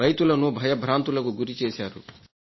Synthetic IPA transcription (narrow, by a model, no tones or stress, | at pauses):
ɐjt̪ulɐnubʱɐjɐbʱɾaːnt̪ulɐkuɡuɾit͡ʃɛːʃaːɾṵ